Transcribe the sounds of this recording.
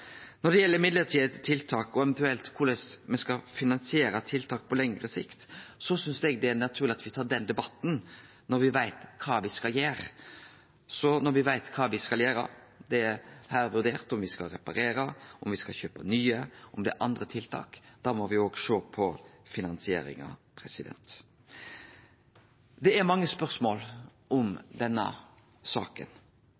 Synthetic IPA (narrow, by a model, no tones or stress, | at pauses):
nɔɖɛjɛlːəɾɪmɪd̪ləɾt̪ʰiːd̪ət̪ʰɪlt̪ʰɑːkɔɛɛnt̪ʉɛlt̪kʰʊlɛsmɛskɑfɪnɑnsɪeːɾət̪ʰɪlt̪ʰɑːk̚pʰɔlɛŋɾəsɪkt̪sɔsʏnsd̪ɛɡ̚d̪ɛænɑt̪ʰʉːɾlɪɑt̪ʋɪt̪ʰɑːɖɛnd̪ɛbɑt̪ːn̩ | nɔɾʋɪʋæɪt̪kʰɑːʋɪskɑljeːɾ | sɔnɔɾʋɪʋæɪt̪kʰɑːʋɪskɑljeːɾɑ̰ | d̪ɛæɾhæːɾʋʉʁd̪eːʁt̪ɔmʋɪskɑlɾɛpɑɾeːɾəɔmʋɪskɑlçøːpənyːəɔmd̪ɛ̰ʔɑnd̪ɾət̪ʰɪlt̪ʰɑ̰ːkd̪̥ɑːmɔʋɪoːɡʂoːpʰɔfɪnɑnsɪḛːɾɪ̰ŋɑ̰pʰɾɛsɪd̪ɛ̰nt̪ | d̪ɛæɾmɑŋːəspœʁsmoːl | ɔmd̪ɛnːə̰ | sɑ̰ːkə̰n